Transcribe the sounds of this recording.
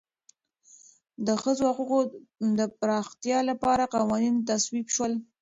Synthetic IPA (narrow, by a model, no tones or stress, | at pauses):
d̪əxəzohaquqod̪əpɾɑxt̪jɑlapɑɾaqɑwɑnint̪aswibʃwəl